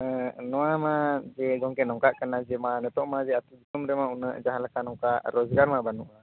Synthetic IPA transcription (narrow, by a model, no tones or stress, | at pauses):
ənuamad͡ʒɛɡɔŋkɛʔnɔŋkaʔkənad͡ʒemanət̪ɔʔmad͡ʒɛat̪ud͡ʒit̪umɾemaunəʔd͡ʒaɦalakanɔŋkaʔɾɔzɡarmabanuʔa